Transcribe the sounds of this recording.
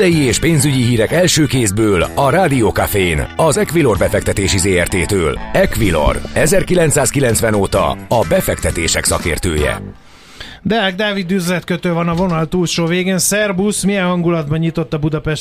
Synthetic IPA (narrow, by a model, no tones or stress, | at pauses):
ɛjieːʃpeːnzyɟiɦiːɾɛkɛlʃøːkeːzbøːlɒɾaːd̪ioːkafenɒzɛkʋilo̞rbɛfɛk̚t̪ɛt̪eːʃizeːɛrt̪eːt̪øːlɛkʋilo̰rɛzɛrkilɛnt̪saːskilɛnt̪sʋɛnoːt̪ɒ̰ɒbɛfɛkt̪ɛt̪eːʃɛksɒkḛːrt̪ø̰ːjɛ̰ | d̪ɛɛɡ̚d̪aːvid̪yzlɛt̪køt̪øːvɒnɒvonɒlt̪uːlʃoːveːɡeːnsɛrbusmijɛnɦɒŋɡulɒd̪bɒɲɲit̪o̞t̪ːɒbud̪ɒpɛʃ